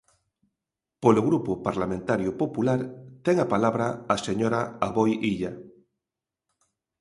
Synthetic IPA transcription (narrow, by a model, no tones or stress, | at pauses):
poloɣɾupopaɾlamẽnt̪aɾjopopulaɾt̪eŋapalaβɾaːseɲoɾaaβojiʎa